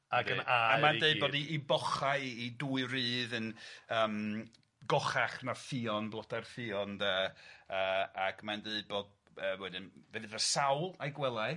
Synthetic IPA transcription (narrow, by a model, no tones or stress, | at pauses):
aɡənaamadeɨboːdiʔːbɔχaɨiduːɨrɨːðənəːm | ɡɔχaχnafɨɔnblɔdarfɪɔndəəːaɡmandeɨboːd̚ | əːwɛdɨnvɛðɪðəsawlˠajɡwɛlˠaɨ